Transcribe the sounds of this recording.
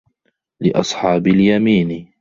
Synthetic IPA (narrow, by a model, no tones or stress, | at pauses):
lɪʔɑsˤħɑːbɪljamiːn